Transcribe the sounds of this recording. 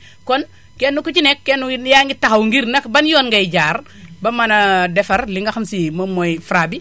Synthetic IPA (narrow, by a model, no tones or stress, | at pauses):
kɔn | kenːukut͡ʃinekːenujaŋɡitːakɐwŋɡiɾnɐkbɐnjɔnŋɡajd͡ʒaːɾ | bɐmɐnɐdɛfɐɾliŋɡaxamsimɐmojfɾabi